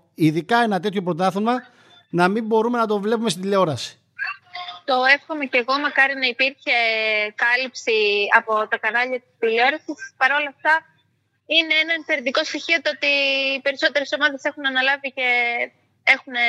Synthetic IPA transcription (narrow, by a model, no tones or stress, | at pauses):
iðikɐe̞nɐt̪e̞t̪ço̞pɾo̞t̪ɐθomɐ | nɐmimbo̞ɾume̞nɐt̪o̞vle̞pumest̪id̪ileo̞ɾɐsi̥ | t̪o̞e̞fxo̞me̞ce̞ɣo̞mɐkɐɾinɐipiɾçe̞kɐlipsiɐpo̞t̪ɐkɐnɐʎɐt̪i̥sd̪ileo̞ɾɐsispɐɾo̞lɐft̪ɐ | ine̞enɐinfe̞ɾind̪iko̞st̪içio̞t̪oot̪iːpe̞ɾiso̞t̪e̞ɾiso̞mɐðe̞se̞xunɐnɐlɐvice̞ | e̞xune